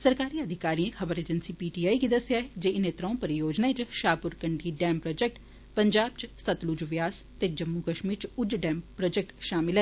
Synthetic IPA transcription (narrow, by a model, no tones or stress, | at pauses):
səɾkaːɾiːəd̪ʱɪkaːɾiːẽxʰɐbəɾeːd͡ʒənsiːpiːʈiːaːiɡid̪ɐsjaːɦed͡ʒeːneːt̪ɾãːũpəɾɪjoːd͡ʒnaːet͡ʃʃaːpʊɾkəɳɖiːɖɛːmpɾoːd͡ʒek̚ʈ | pəɲd͡ʒaːb̚t͡ʃsət̪lud͡ʒʋjaːs | t̪ed͡ʒəmːukəʃmiːɾt͡ʃʊd͡ʒɖɛːmpɾoːd͡ʒek̚ʈʃaːmɪlɦɛ